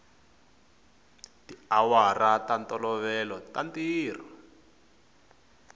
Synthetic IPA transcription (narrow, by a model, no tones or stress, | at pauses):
tiawaratantɔlɔβɛlɔtantiːr̤ɔ